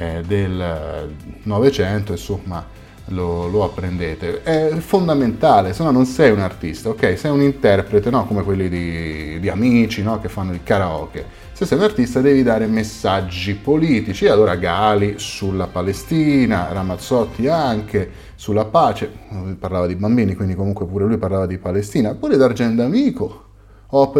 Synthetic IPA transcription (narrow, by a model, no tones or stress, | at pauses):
ɛd̪el | nɔvet͡ʃɛnt̪oinsomːa | loloapːɾend̪eːt̪eɛfond̪ament̪aːlesonːanonsɛjunart̪ist̪aokɛjsɛjunint̪ɛrpɾet̪enɔkomekwelːid̪id̪iamiːt͡ʃinɔk̟efːanːod̪ikaɾaɔ̰ːk̟e | sesːɛjunart̪ist̪ad̪ɛːvid̪aːɾemesːad͡ʒːipoliːt̪it͡ʃialːoːɾaɡaːlisulːapalest̪iːna̰ɾamat̪sɔt̪ʰːiaŋk̟e | sulːapaːt͡ʃeuparlaːvad̪ibambiːnikwind̪ikomuŋkwepuːɾelujparlaːvad̪ipalest̪iːnapuːɾed̪ard͡ʒɛnd̪amiːko | ɔp